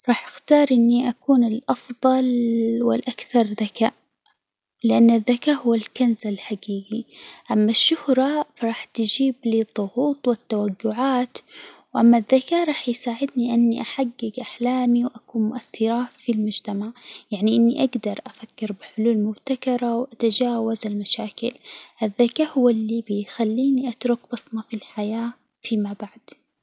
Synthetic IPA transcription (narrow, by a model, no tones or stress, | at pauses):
ɾˤɑːħʔaxt̪ɑːɾˤʔɪnːiʔakuːnɪlʔɑfðˤɑlwɪ̰lʔakθɑɾˤðakaːʔ | lɪʔanːaðːakaːʔhʊwːalkanzalħaɡiːɡiʔamːaʃːʊhɾˤɑfɑɾˤɑːħt̪ɪd͡ʒiːbliðˤːʊɣuːt̪ˤwɪt̪ːawaɡːʊʕaːt̪wʔamːaðːakaːɾˤɑːħjsaːʕɪd̪niʔɪnːiʔaħaɡːɪɡʔaħlaːmiwʔakuːnmʊʔaθːɪɾˤɑfilmʊd͡ʒt̪amaʕjaʕniʔɪnːiʔaɡd̪ɑɾˤʔafakːɪɾbɪħʊluːlmʊbt̪akɑɾˤɑwʔat̪ad͡ʒaːwazalmaʃaːkɪlʔaðːakaːhʊwːalːibɪjxalːiːniʔat̪ɾʊkbɑsˤmɑfilħajaː | fimabaʕd̪̥